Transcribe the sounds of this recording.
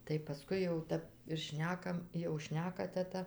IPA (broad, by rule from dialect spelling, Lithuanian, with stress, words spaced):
tɐɪ pɐˈskʊɪ jɛʊ ˈtʲæp ɪr ˈʃʲnʲæːkɐm jɛʊ ˈʃʲnʲæːkɐ tʲɛˈtɐ